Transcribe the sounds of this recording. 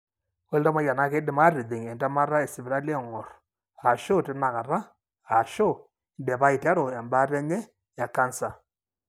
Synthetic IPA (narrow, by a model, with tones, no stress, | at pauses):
o˦lda˦ma˦ja˨na˦ke˦dɪ˦ma˦ɾɪ˨ðɪ˨ŋɛ˨nda˦ma˦ɾa˦ɛ˨sɪ˨bɪ˨ɾa˦lɛ˦˨ŋɔ˨r | a˨ʃo˦tɪ˦na˨ka˨ɾa˦ | a˨ʃo˦˨ | ndɛ˨pa˦i˨tɛ˦ɾo˨a˨mba˦ɾɛ˦ɲɛ˦ | ja˨ka˦nsa˨